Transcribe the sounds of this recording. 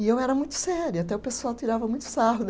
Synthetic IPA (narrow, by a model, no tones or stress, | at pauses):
ɪewɛɾɐmũj̃t̪ʊ̥sɛɾʊat̪ɛʊpesʊawt̪iɾavɐmũj̃t̪ʊ̥saɦʊn